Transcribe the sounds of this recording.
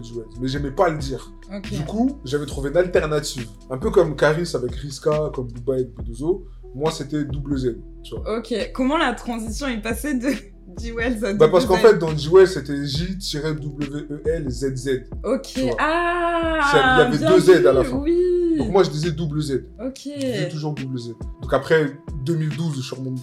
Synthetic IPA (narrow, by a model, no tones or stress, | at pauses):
d͡ʒiɛlmɛʒɛmɛpaləd̪iːʁ | od̪ykuʒavɛt̪χuveynalt̪ɛʁnat̪iv | ɛ̃pøkɔmkaʁisavɛkʁiskakɔmbubaɛt̪̚bud̪ozo | mwaset̪ɛd̪ubləzɛd̪ | t̪yvwa̰okʲekɔmɑ̃lat̪χɑ̃zisjɔ̃ɛpased̪ə | d̪iwɛlzɛd̪bapaʁsəkɑ̃fɛt̪̚d̪ɑ̃d͡ʒiwɛlset̪ɛʒit̪iʁed̪ubləveʔøʔɛlzɛd̪zɛd̪okʲʰeyvwaa | ailjavɛd̪øzɛd̪alafɛ̃wid̪̃dkmwaʒəd̪izɛd̪ubləzɛd̪okʰʲedizɛt̪uʒuʁd̪ubləzɛd̪d̪ɔ̃kapχɛd̪əmild̪uzʃyʁmɔ̃